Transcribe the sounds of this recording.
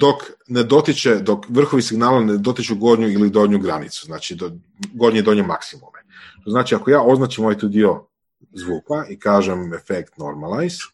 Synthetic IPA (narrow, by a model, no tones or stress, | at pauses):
d̪o̞kned̪o̞t̪it͡ʃed̪o̞kʋr̩xoʋisiɡnaːlaned̪o̞t̪it͡ʃuɡo̞ɾɲuilid̪o̞dɲuɡɾanit̪su̥znaːt͡ʃid̪o | ɡo̞ɾɲed̪o̞ɲemaksimumeʃt̪oznaːt͡ʃiakojaːo̞znaːt͡ʃimːojt̪uːd̪io̞ | zʋuːpaʔikaːʒemefekt̪no̞̰ɾmalˠajz